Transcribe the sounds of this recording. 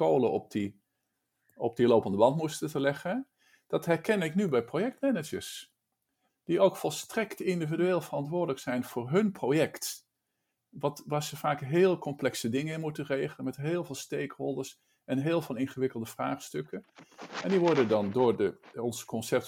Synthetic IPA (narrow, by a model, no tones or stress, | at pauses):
owləɔ̰p̚di | ɔp̚dilowpəndəbɑntmustətəlɛχə | d̥ɑtɦɛɹkɛnɪknybɛjprowjɛk̚tmɛnəd͡ʒəɹs | d̥iowkfɔlˠstrɛktɪndividyeːlˠvərɑntʋʊːɹdələksɛjnv̥ʊːɹɦɵnprowjɛkt | ʋɑtʋaːɹz̥əvaːkɦeːlˠkɔmplɛksədɪŋəɪnmutərejχələnmɛtɦeːlˠvɪːlˠstejkholˠdəɹs | ɛnɦeːlˠvɑnɪnχəʋɪkəlˠdəv̥raːχstɵkənʔɛndiʋɔɹdəndɑndʊːɹdəɔnzə̥kɔnsɛp̚t